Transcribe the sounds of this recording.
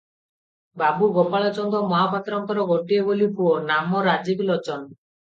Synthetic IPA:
babuɡopaɭɔt͡ʃɔnd̪ɔmɔɦapɔt̪ɾɔŋkɔɾɔɡoʈiebolipuonamɔɾad͡ʒiblɔt͡ʃɔn

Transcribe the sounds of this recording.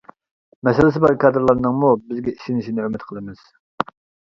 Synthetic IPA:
mɛsɪlɪsɪbɑɾkʰɑːd̪ɨɾlˠɑɾnɨŋmubɪzɡʲɛiʃinɪʃinɪømɪt̪qʰəlˠɨmɨz̥

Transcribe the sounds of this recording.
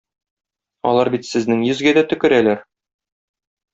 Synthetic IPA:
ɒ̰lˠɑɾbit̪sɘ̆znɘŋjɵ̆zɡæd̪æt̪ɵ̆kɘ̆ɾælæɾ

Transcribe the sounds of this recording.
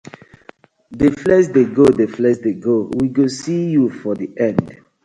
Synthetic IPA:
deflɛʃdeɡodeflɛsdeɡowiɡosijufɔdiʔɛ̃nd

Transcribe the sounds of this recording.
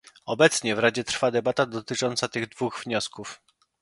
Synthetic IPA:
ɔbɛt̪sɲɛvɾad͡ʑɛt̪ɾfad̪ɛbat̪ad̪ɔt̪ɘt͡ʂɔnt̪sat̪ɘɣd̪vuɣvɲɔskuf

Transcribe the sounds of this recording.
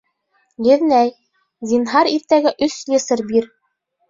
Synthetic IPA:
jɘ̆ðnæj | zʲinɦɑɾiɾt̪æɡɘʔɵslʲesɤɾbiɾ

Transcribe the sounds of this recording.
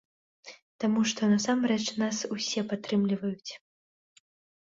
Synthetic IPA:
t̪amuʂt̪ɔnasamɾɛt͡ʂnasusʲɛpat̪ɾɨmlʲivɐjut͡sʲ

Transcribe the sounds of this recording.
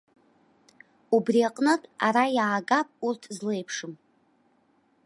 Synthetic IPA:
ubriaqʼnɨtʼa̰ɾajaːɡapʼurtʰzlejpʰʂɨm

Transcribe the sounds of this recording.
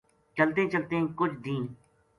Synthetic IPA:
t͡ʃəlt̪ẽːt͡ʃəlt̪ẽkʊt͡ʃʰd̪ĩː

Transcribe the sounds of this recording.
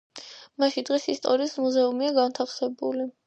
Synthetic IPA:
maʃind̪ʁisist̪ʼɔɾiːsmuzɛumiaɡant̪ʰaχsɛbuli

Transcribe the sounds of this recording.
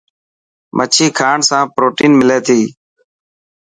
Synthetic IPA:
mʔət͡ʃʰiːkʰaːɳsãːpɾoːʈiːnmɪleːt̪ʰiː

